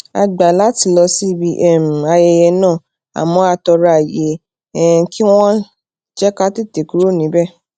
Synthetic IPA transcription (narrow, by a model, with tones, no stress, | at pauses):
a̰˧ɡ͡ba˨la˦ti˧˦lɔ˧si˦bi˧˦ʔɛ˦˨m̩˨a˧jɛ˧jɛ˧nãː˦˨ | a̰˨mɔ̃˧˦a˧tɔ˧ɾa˧˨je˨˦ | ɛ˦˨˦kʰi˦w̃ɔ̃˦ | d͡ʒɛ˦ka˦ti˦te˨ku˧˦ɾo˦˨nĩ˨˦bɛ˦˨